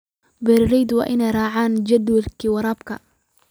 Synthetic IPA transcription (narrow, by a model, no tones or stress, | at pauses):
bɛːɾɪɾɛjd̪wɑ̰ːʔɪnɛjrɑːʕaːnd͡ʒɐd̪wɐlkʰiːwɐɾaːbkʰɐ̰